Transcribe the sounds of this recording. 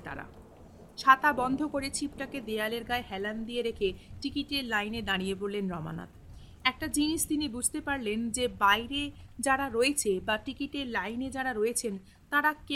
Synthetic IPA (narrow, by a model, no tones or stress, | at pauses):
t̪a̰ɾa̰ | ʃat̪abɔnd̪ʱokoɾet͡ɕʰipʈaked̪ealeɾɡaeɦɛland̪ijeɾekʰeʈikiʈelajned̪aɽ̃ijeboɾlːenɾɔma̰na̰t̪ | ɛk̚ʈad͡ʑiniʃt̪inibud͡ʑʱt̪epaɾlend͡ʑebajɾed͡ʑaɾaɾoet͡ɕʰebaʈikiʈeɾlajned͡ʑaɾaɾoet͡ɕʰen | t̪aɾake